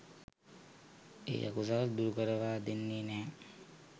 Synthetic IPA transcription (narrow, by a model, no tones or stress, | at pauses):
ḛːja̰kus̬aləd̪uɾukəɾəʋaːd̪enːeːnɛː